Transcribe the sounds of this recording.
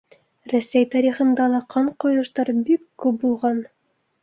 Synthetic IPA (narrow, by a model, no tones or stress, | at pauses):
ɾæsæjt̪ɑɾʲiχɤ̆nd̪ɑlˠɑqʰːɑɴqŏjɤ̆ʃt̪ɑɾbikːʉp̚bulˠʁɑn